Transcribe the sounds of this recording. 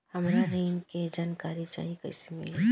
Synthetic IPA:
hɐmɾaɾeːŋked͡ʒaːnkaːɾit͡ʃa̰ːɦiekɐ̰ɪsemɪ̰le

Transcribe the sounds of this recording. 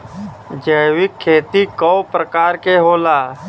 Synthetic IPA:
d͡ʒəjwɪkʰːeːt̪ikɔwpɾəkaːɾkeɦoːlaː

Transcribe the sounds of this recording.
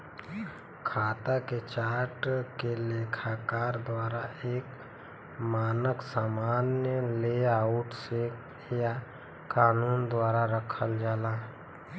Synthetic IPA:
kʰaːt̪aket͡ʃaːɾʈkeleːkʰakaːɾd̪waːɾaeːk | maːnəksaːmaːnjəleaʊʈse | ja | kaːnuːnd̪waːɾaɾəkʰəld͡ʒaːla

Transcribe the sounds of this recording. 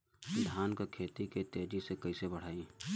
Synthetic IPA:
d̪ʱaːnkekʰeːt̪iket̪eːd͡ʒisekəisebəɽ̤aːĩ

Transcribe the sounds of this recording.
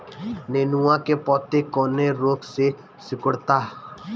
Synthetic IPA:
neːnuãkepɔːt̪ekɔːneɾoːɡse | sɪkəɽt̪aː

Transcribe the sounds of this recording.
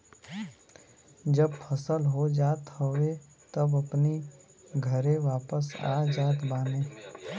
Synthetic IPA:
d͡ʒəbpʰəsəlɦod͡ʒaːt̪howe | t̪əbəpni | ɡʱəɾeʋaːpəsa̰ːd͡ʒaːt̪baːnẽː

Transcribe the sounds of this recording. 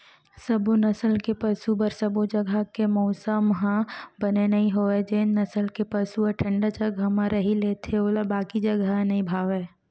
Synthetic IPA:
səbonɐsəlkepəsubəɾsəbod͡ʒəɡʱəkemɔːsəmɦbənenɐɦĩɦoed͡ʒennɐsəlkepəsuəʈʰə̃ɳɖat͡ʃəɡʱɐmaɾəɦileːt̪ʰeoːlabaːkid͡ʒɐɡanɐɦĩbʱaːʋeː

